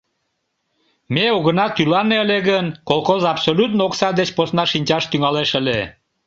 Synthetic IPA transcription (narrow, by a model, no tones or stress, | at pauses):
meoɣənɑt̪ylɑneəleɣənkolˠxozɑpsolʲut̪nooksɑd̪et͡ɕposnɑʃinʲt͡ɕɑʃt̪yŋɑleʃəle